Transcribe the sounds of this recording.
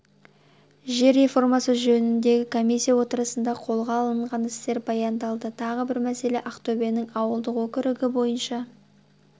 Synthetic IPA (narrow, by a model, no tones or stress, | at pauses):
ʒe̞ɾe̞fo̞rmɑsəʒɵnɪnd̪e̞ɡʲɪkʰo̞mijsʲːijɑwo̞t̪əɾəsənd̪ɑqʰo̞lˠʁɑːlˠəɴʁɑnɪst̪e̞ɾbɑjɑnd̪ɑlˠd̪ət̪ʰɑʁəbɪɾmæse̞le̞ʔaqt̪obenɪŋɑwəlˠd̪əqwɵkʲɪɾɪɡʲɪbo̞jənʃɑ